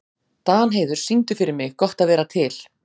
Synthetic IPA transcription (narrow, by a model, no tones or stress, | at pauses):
t̪aːnɦeːjðʏɾ̥siŋt̪ʏfɪɾɪɾmɪɣkɔht̪aðvɛːɾat̪ʰɪl̥